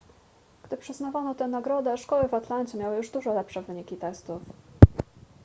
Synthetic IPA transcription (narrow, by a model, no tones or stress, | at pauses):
ɡ̥d̪ɘpʂɘznavanɔt̪ɛnaɡɾɔd̪ɛʂkɔwɘvat̪lant͡ɕɛmʲjawɘjuʐd̪uʐɔlɛpʂɛvɘɲikʲit̪ɛst̪uf